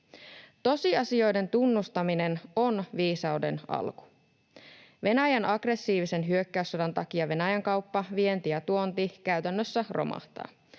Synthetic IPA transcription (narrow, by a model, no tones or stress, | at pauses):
t̪o̞siɑsio̞jde̞nt̪unːust̪ɑmine̞no̞nʋiːsɑwde̞̰nɑ̰lku̥ | ʋe̞næjænɑɡre̞sːiːʋise̞nɦyøkːæysːɑdɑnt̪ɑkiɑʋe̞næjæŋkɑwpːɑʋie̞nt̪ijɑt̪uo̞nt̪ikæyt̪ænːøsːærʔo̞̰mɑ̰ht̪ɑ̰ː